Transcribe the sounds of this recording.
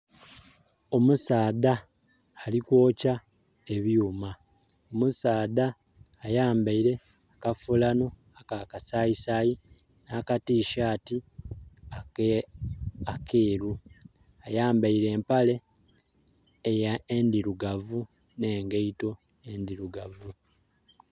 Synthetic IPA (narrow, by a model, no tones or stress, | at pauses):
o̞musaːdaː | likwo̞ːca | e̞βjuːma | omusaːdaː | jaːmbaiɾe̞ | akafulano̞ | akakasaisaji | naːkatiːʃaːti | akeːɾu | ajaːmbaiɾe̞ːmpale̞ | jaendiɾuɡavu | ne̞ːŋɡeito̞ | endiɾuɡavu